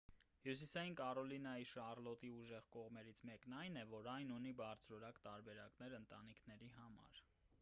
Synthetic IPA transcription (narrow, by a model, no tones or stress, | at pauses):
hjus̬isɑjinkɑɾɔlinɑjiʃɑrlɔt̪iuʒɛʁkɔʁmɛɾit͡sʰmɛknɑjnɛvɔɾɑjnunibɑɾt͡sʰɾɔɾɑkt̪ɑɾbɛɾɑknɛɾənt̪ɑ̰nikʰnɛɾiɦɑmɑ̰ɾ